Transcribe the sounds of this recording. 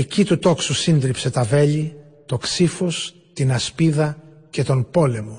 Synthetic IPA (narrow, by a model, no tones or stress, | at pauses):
ecit̪ut̪o̞ksusind̪ɾipse̞t̪ɐve̞ʎi | t̪o̞ksifo̞s | t̪inɐspiðɐ | ce̞t̪o̞npo̞le̞mo